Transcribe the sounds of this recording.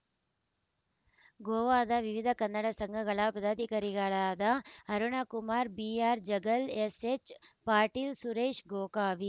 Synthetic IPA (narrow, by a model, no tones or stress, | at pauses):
ɡoːʋaːd̪aʋiʋɪd̪ʱɐkɐnːəɽɐsɐŋɡʱəɣɐɭapɐd̪at̪ikɐɾiɡaɭad̪aɦɐɾuɳakʊmaːɾbiaːɾd͡ʒɐɡəleset͡ʃpaːɾʈiːlsuɾeːʃɡoːkaːʋi